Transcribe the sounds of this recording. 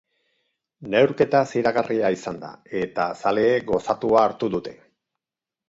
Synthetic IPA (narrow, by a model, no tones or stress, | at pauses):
ne̞wɾke̞t̪asiɾaɣarʔiaisand̪a̰e̞t̪asale̞ːɡo̞sat̪uaːɾt̪uðut̪e̞̥